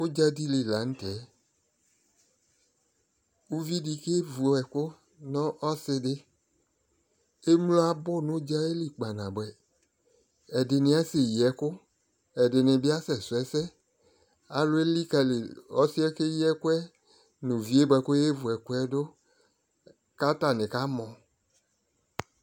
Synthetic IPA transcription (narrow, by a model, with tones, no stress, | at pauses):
wo˦d͡ʒa˦di˦li˨la˨ŋ̩̃˦t̪ɛ˨˦ | u˦vi˦di˨ke˦vu˨ɛ˨kʊ˦ | nɔ̃˦ʔɔ˦sɪ˦dɪ˦ | e˦m˦lo˦a˦bʊ˦nʊ̃˦d͡ʒa˦e˦li˨k͡pa˨nã˨bɛ˨ | ɛ˨dɪ˨nɪ̃˦a˦se˨ji˨ɛ˨kʊ˦ | ɛ˨dɪ˨nɪ̃˨bi˦a˦sɛ˨sʊ˨ɛ˦sɛ˦ | a˨lʊ˦e˦li˦ka˨li˨ɔ˦si˦ɛ˦ke˦ji˦ɛ˦kʊ˦ɛ˦ | nũ˨vi˦e˦bɛ˨kʊ˦je˦vu˨ɛ˨kʊ˦ɛ˦dʊ˦ | ka˦t̪a˨nɪ̃˨ka˦mɔ̃˨